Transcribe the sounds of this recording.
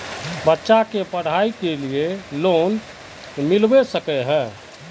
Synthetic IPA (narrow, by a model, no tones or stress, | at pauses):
bətːʃakepəɽ̤aikelieloːn | milbesəkɛɦɛ̃ː